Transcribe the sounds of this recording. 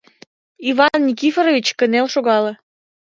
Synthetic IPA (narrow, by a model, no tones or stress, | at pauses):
iβɑnːʲikifeɾovit͡ɕkənelʃoɣɑlɤ